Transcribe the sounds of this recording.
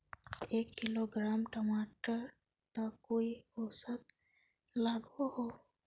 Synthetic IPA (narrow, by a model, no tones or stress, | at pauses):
ekːɪloɡɾaːmʈɔmaʈəɾ | t̪əkːoiosət̪ | laɡoɦo